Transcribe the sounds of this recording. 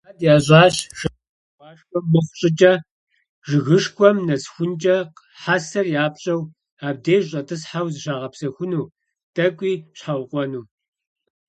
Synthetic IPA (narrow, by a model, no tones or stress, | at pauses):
adjaːɕʼɑːɕʃ | pʼɑːʂkʷɔmːɨχʷɕʼɪt͡ʃʼɐ | ʒɨɣɨʂkʷɔmnɐsxʷʊnt͡ʃʼɐq | ħasɐrjaːp̚ɕʼɐw | aːb̚deːʒɕʼɐtʰʼɨsħawzɨɕaːʁɐpsɐxʷʊnuː | tʰʼɐkʷʼiːɕħawqʷʼɔnuː